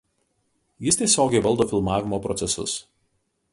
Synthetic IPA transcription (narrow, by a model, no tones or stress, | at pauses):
jɪst̪ʲiɛsʲoːɡʲɛɪʋɐlˠˑd̪oːfʲɪlˠmɑːʋʲɪmoːpɾɔt̪sʲɛsʊ̰s